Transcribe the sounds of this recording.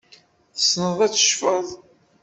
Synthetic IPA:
θsnəðˤæt͡sːə̥ʃfəðˤ

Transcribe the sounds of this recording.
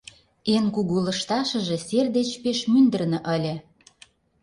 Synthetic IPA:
enkuɣulə̆ʃt̪ɑʃə̆ʒĕserd̪et͡ɕpeʃmynd̪ə̆rnɤ̆ʔəlʲĕ

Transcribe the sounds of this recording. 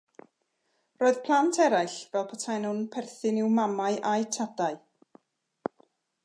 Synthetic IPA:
roːɨð̥pʰlˠantʰɛɾajɬvɛlˠpʰatʰajnhʊnpʰɛrθɪnɪwmamaɨʔajtʰadaɨ

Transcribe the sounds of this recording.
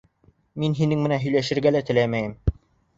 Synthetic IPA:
minɦinɘŋmɘ̆nænɦɵ̆jlæʃɘ̆ɾɡælæt̪ɘ̆læmæjɘm

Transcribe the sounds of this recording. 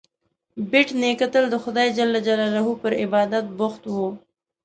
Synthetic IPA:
bɪʈnekat̪əld̪əxʊd̪ɑjd͡ʒalːad͡ʒalalaɦupəɾɪbɑːd̪at̪̚bʊxt̪wo

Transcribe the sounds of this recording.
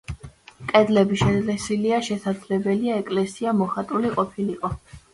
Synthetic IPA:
kʼɛd̪lɛbiʃɛlɛsiliaʃɛsad̪zlɛbɛliaɛkʼlɛsiamɔχat̪ʼuliqʼɔpʰiliqʼɔ

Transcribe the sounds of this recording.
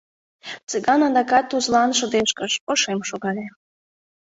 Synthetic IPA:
t͡sɨɣɑnɑd̪ɑkɑt̪ːuzlɑnʃod̪eʃkəʃoʃemʃoɣɑlʲe

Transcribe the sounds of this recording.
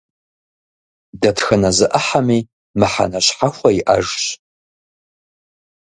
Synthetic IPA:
dɐtxɨnɐzɨʔəħamiː | mɨħa̰nɐɕħaxʷɐiʔɐ̰ʒɕ

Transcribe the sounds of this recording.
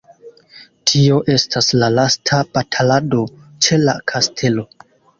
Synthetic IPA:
tʰio̞ʔe̞stʰaslalastʰab̥atʰalado̞t͡ʃe̞la̰kʰastʰe̞lo̞

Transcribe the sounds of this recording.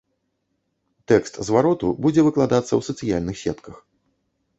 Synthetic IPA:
t̪ɛkst̪zvaɾɔt̪ubud͡zʲɛvɨklˠad̪at̪sːɐ̰wsɐt̪sɨjalʲnɨxsʲɛt̪kɐx

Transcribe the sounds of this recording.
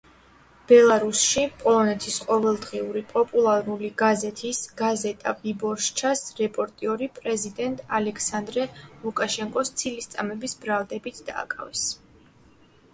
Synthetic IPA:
b̥ɛlˠaɾusʃipʼɔlˠɔnɛt̪ʰisqʼɔvɛlˠd̪ʁiuɾipʼɔpʼulˠaɾuliɡazɛt̪ʰisɡ̥azɛt̪ʼa̰bibɔɾʃt͡ʃʰasɾɛpʼɔɾt̪ʼiɔɾipʼɾɛzid̪ɛnt̪ʼalɛkʰsand̪ɾɛlˠukʼaʃɛŋkʼɔst̪sʰilist̪sʼamɛbisbɾalˠd̪ɛbit̪ʰd̪a̰ːkʼa̰vɛs

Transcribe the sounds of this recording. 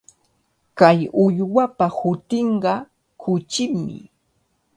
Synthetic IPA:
kajʊʎwapahʊt̪ɪɴɢɑ | kʰʊt͡ʃɪmːɪ̰

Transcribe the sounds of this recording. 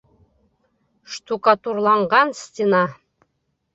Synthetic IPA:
ʃt̪ukɑt̪urlˠɑɴʁɑnst̪ʲenɑ

